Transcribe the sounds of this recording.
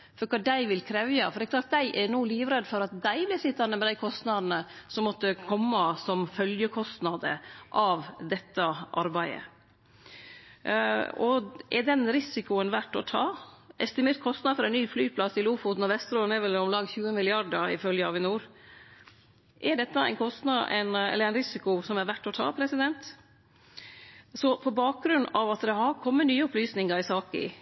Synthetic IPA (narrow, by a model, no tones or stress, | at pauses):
fɔɾkʰɑːd̪æɪʋɪlkʰɾɛːʋjɑfɔɾɖ̪ɛklɑːʈt̪̚d̪æɪʔɛnuːliːʋɾɛd̪fɔɾɑt̪̚d̪æɪblɪsɪt̪ːɑnəmɛd̪æɪkʰɔst̪nɑd̪nəsɔmːɔt̪ːəkʰɔmːɑsɔmfœljəkʰɔst̪nɑd̪ə̰ʔɑʋd̪ɛt̪ːəʔɑ̰ɾbæɪə̰ | ɔ̰ʔɛɖɛnɾɪsɪkʊənʋæʈːɔt̪ʰɑːʔɛst̪ɪmeːɾkʰɔst̪nɑd̪fɔɾɛɪnnyːflyːpʰlɑst̪ɪluːfut̪nɔʋɛst̪ɾoːnɛʋɛləɔmlɑŋçʉːəmɪlɪɑɖəɪ̰fœljəɑ̰ʋɪnuːɾ | ʔæɖɛt̪ːɑæ̰ɪnkʰɔst̪nɑʔɛ̰ɪnɛ̰lːəɾæɪnɾɪsɪkʊsɔmæɾʋæʈːɔt̪ʰɑ̰ːpʰɾɛsɪd̪ɛnt̪ | sɔpʰɔbɑːk̚ɡɾʉnːʔɑʋɑt̪d̪ɛɦɑɾkʰɔmːənyːəɔplyːsnɪŋɑɾɪsɑːkɪ̰